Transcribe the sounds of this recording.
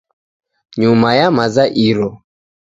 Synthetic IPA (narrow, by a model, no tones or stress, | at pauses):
ɲumajamazaʔiɾɔ